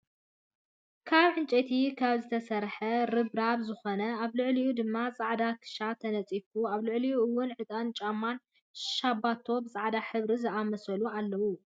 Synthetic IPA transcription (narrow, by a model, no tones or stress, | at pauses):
kʰaβʕɨnt͡ʃʼet̪ʰikʰaβzɨt̪ʰɐsɐɾħɐɾɨbɾaβzɨxonɐaβlɨʕlijud̪ɨmːat͡sʼaʕd̪akʰɨ̥ʃat̪ʰɐnɐt͡sʼifuaβlɨʕliuɨwːʊnʕɨt̪ʼant͡ʃʼamːan | ʃabːat̪ʰːo̞bɨsʼaʕd̪aħɨβɾizɨʔamɐsɐlualːɐwu